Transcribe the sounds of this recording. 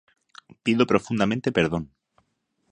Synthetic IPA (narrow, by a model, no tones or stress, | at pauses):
piðopɾo̞fund̪amẽnt̪epeɾð̞o̞n